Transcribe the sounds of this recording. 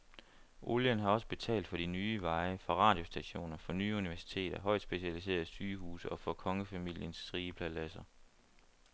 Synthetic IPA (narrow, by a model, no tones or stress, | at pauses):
ʔoljənɦɑ̈ɒ̽səb̥e̝t͡sʰɛ̰ːld̥fɒ̽ɾ̥inyːʋɑ̈ɪəfɒʁɑ̰̈ːd̥jo̝sd̥æɕo̝̰ːnɐfɒ̽nyːuniʋæɐsi̥t͡sʰe̝̰ːd̥ɐɦɒ̽ɪ̰d̥sb̥e̝ɕælis̬e̝̰ːɐðˠsyːɦṵːsəɒ̽fɒ̽kʰɒ̽ŋəfæmil̰jənsʁiːəpʰlælæsɐ